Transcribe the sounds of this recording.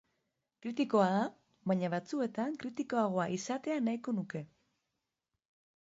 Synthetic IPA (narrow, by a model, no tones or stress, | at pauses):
kɾit̪iko̞aða | βaɲaβat͡sue̞t̪aŋkɾit̪iko̞aɣ̞o̞aʔisat̪e̞anaiko̞nuke̞